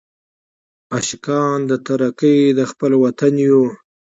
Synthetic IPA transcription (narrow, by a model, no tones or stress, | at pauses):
aʃɪkɑnd̪ət̪aɾakəjd̪əxpəlwat̪anju